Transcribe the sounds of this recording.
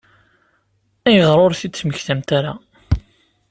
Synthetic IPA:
æjəʁɾˤoɾθit͡sːməçθæmt̪aɾa

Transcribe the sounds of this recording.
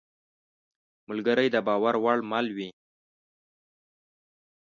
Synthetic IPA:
mʊlɡəɾəjd̪əbɑwaɾwaɭmɑlwi

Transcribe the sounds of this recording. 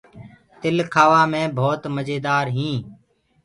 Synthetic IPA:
t̪ɪlkʰaːʋaːmẽːbʱoːt̪məd͡ʒeːd̪aːɾɦĩː

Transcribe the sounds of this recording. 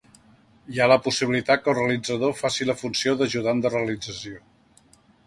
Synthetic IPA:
ialəpusiβilit̪at̪̚kəlˠreəlid͡zəðofasiləfunsioðəʒuðand̪əreəlid͡zəsio

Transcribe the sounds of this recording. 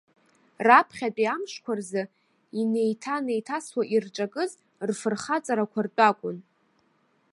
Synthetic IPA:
rapʰχʲat͡pʼiamʂkʷʰarzɨ | ine̞jtʰane̞jtʰaswaʔirʈ͡ʂʼakʼɨz | rfɨrχat͡sʼaɾakʷʰart͡pʷʼakʷʼʊn

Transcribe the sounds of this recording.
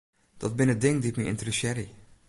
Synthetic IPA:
d̥ɔt̚bɪnədɪŋdiɪkməɪ̰ntərəsɛɾi

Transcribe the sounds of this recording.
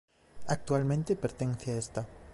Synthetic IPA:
ak̚t̪ualmẽnt̪epeɾt̪ẽnθeaest̪a

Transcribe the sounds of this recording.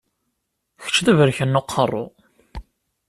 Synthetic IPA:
çə̥t͡ʃːðəvəɾçənːʊqʰːərˤːo̰

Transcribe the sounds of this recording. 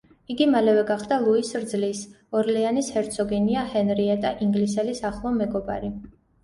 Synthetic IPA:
iɡimalɛvɛɡaχd̪alˠuisɾd̪zlis | ɔɾlɛanishɛɾt̪sʰɔɡɛniahɛnɾiɛt̪ʼaʔiŋɡlisɛlisaχlˠɔmɛɡɔba̰ɾi

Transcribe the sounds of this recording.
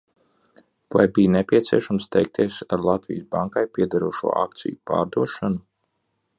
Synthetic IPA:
va̰jbijnɛpʲiɛt̪siɛʃamst̪ɛjk̚t̪ʰiɛsaɾlˠɑt̪vḭjsbaŋkajpʲiɛd̪aɾuɔʃṵɔ̰ʔa̰k̚t̪sḭjupa̰ːɾd̪uɔʃanu

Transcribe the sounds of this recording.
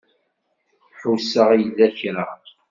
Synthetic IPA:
ħusəʁijðæçɾa

